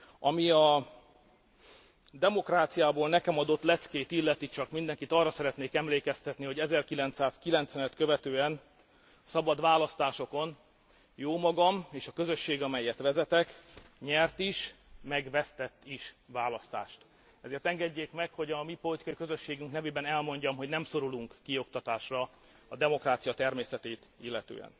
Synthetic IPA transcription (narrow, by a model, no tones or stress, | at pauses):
ɒmiɒ | d̪ɛmo̞kraːt̪sijaːboːlnɛkɛmɒd̪o̞t̪lɛt̪skeːt̪ilːɛt̪it͡ʃɒkmind̪ɛŋkit̪ɒrːɒsɛɾɛt̪neːkɛmleːkɛst̪ɛt̪niɦo̞ɟɛzɛrkilɛnt̪saːskilɛnt̪sɛnɛt̪kø̞vɛt̪øːɛn | sɒbɒd̪ʋaːlɒst̪aːʃo̞ko̞n | joːmɒɡɒmeːʃɒkø̞zø̞ʃːeːɡɒmɛjːɛt̪ʋɛzɛt̪ɛkɲɛrt̪iʃmɛɡʋɛst̪ɛt̪ːiʃʋaːlɒst̪a̰ːʃt̪ | ɛzeːrt̪ɛŋɡɛɟːeːkmɛkho̞ɟɒmipo̞lit̪ikɒikø̞zø̞ʃːeːɡyŋknɛveːbɛnɛlmo̞ɲɟɒmɦo̞ɟnɛmso̞ɾuluŋkːio̞kt̪ɒt̪aːʃrɒ | ɒd̪ɛmo̞kraːt̪sijɒt̪ɛrmeːsɛt̪eːt̪ilːɛt̪ø̰ːɛ̰n